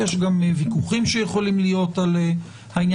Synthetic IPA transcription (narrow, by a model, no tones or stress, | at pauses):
eʃɡamvikuχimʃejeχo̞limlijo̞tale | hainj